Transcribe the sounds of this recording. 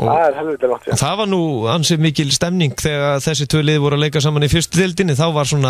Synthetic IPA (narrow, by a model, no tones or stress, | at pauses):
ɔ̰aɛɾhɛlvɪt̪lɪlɔt̪θaðvaɾnuansɛmɪːcɪlst̪ɛmniŋkθɛːɣaðθɛsːɪt̪ʰvœːlɪːðvɔɾʏaleːjkasaːmanifɪrst̪ʏt̪ɪlt̪̬ɪnːɪθawvaɾ̥sɔːna